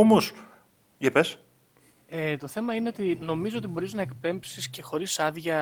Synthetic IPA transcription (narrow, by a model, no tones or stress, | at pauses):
omos | ʝepes | et̪o̞θe̞mɐine̞o̞t̪ino̞mizoot̪ibo̞ɾiznɐekpe̞mpsisce̞xo̞ɾisɐðʝɐ